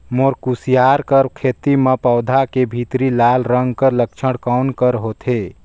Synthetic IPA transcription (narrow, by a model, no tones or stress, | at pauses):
moɾkusijaɾkəɾkʰet̪imepəwd̪ʱakebʱit̪ɾilalɾəŋɡkəɾlək̚t͡ʃʰəɽkawnkəɾɦot̪ʰe